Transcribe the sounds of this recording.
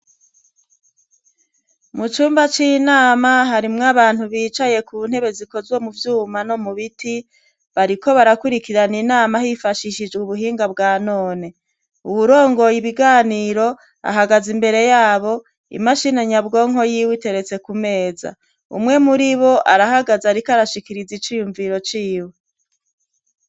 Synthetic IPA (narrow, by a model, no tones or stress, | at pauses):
mut͡ʃuːmbat͡ʃiːnaːmaɦaɾimŋaβaːn̥huβiːt͡ʃaje̞kuβun̥he̞βe̞ziko̞zwo̞muvjuːmano̞muβitʰi | βaɾiko̞βaɾakuɾikiɾaninaːmaɦifaʃiʃid͡ʒɡuβuɦiːŋɡabɡaːnoːne̞ | uβuɾo̞ːŋɡo̞jiβiɡaːniːɾo̞ | a̰ɦaɡazimbe̞ɾe̞jaːβo̞ | ḭmaʃineɲabɡo̞ːŋɦo̞jiwite̞ɾe̞t͡se̞kume̞ːza̰ | ṵmŋe̞muɾiβo̞ʔaɾahaɡazaɾikaɾaʃikiɾizit͡ʃiːjuɱviɾo̞t͡ʃiːwe